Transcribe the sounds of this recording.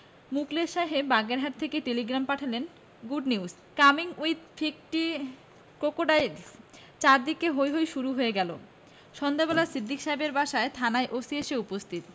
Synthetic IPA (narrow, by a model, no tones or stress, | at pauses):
mukleʃaɦebaɡeɾɦaɾt̪ʰekeʈeliɡɾampaʈʰalen | ɡuɖnius | kamiŋuit̪fʰik̚ʈi | kokoɖaj | t͡ɕaɾd̪ikeɦojɦojʃuɾuɦoeɡɛlo̰ | ʃɔnd̪ʱabɛlasid̪ːikʃaebeɾbaʃaet̪ʰanaeʔosieʃeupost̪ʰit̪